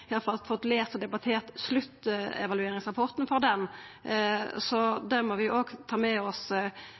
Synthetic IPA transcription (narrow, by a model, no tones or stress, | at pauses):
ɪjɑlfɑlt̪fɔt̪ːleːst̪ɔd̪ɛbɑt̪ʰeːɾt̪slʉt̪ːɛ̰ʋɑlʉeːɾɪŋsʁɑpʰɔɾt̪nfɔɾd̪ɛm | sɔd̪æmɔʋɪjʊoːɡt̪ʰɑːmɛɔs